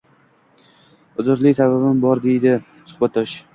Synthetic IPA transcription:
ʊzʊɾlɪjsababɪmbɒɾd̪e̞jd̪ɪ | sʊ̥hbat̪ʰd̪ɒʃ

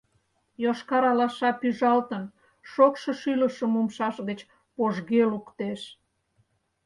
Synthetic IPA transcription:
joʃkɑɾɑlɑʃɑpyʒɑlt̪ən | ʃokʃŏʃyləʃəmumʃɑʃɣət͡ɕ | poʒɣelukt̪eʃ

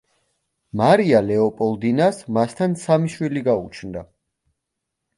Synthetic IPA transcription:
maɾialɛɔpʼɔlˠd̪inasmast̪ʰansamiʃwiliɡaṵt͡ʃʰnd̪a

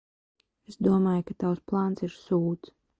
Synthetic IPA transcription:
esd̪uɔmaːjkat̪awsplˠaːnsiɾsuːt̪s

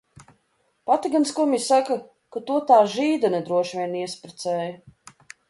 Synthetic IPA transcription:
pat̪iɡanskɔmʲisaka | kat̪uɔt̪aːʒiːd̪anɛd̪ɾuɔʃvʲiɛniɛspɾɛt̪sɛːjɐ

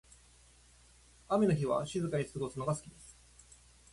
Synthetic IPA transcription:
ame̞no̞çiβ̞a̰ɕizɨkaisɨɨɡosɨno̞ɡasɨ̥kʲid̪e̞sɨ̥

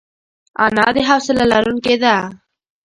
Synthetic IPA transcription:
a̰nɑd̪eɦawsɪlalaɾunked̪a

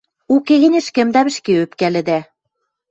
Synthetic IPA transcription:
ukeɣɘ̆nʲɘ̆ʃkɘ̆md̪æβɘ̆ʃkeøpkælɘ̆d̪æ

